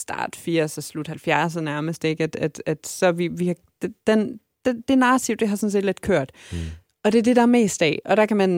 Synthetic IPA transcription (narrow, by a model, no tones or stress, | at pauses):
sd̥ɑ̰̈ːd̥fiɐ̰sɒslud̥hælfjæɐs̬ɒnæɐməsd̥e̝ɡ̥æd̥æd̥æd̥sɒ̽ʋiʋihɑ̈ | d̥d̥en | d̥ed̥e̝ɐnɑ̈ːt͡sʰiʊd̥eɦɑ̈sɔ̽ns̬e̝ːd̥led̥̚kʰøɐ̰d̥ | ɒ̽d̥e̝ɐd̥e̝ɾɑ̈æɐme̝̰ːsd̥ɛ̰ɒ̽ɾ̥ɑ̈kʰæmæn